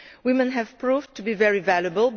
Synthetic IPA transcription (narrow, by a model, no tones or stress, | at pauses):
wɪ̃mɨ̃nɦɨv̥pʰɹ̥uvtʰɨbivɛɹivælˠjəbəlˠb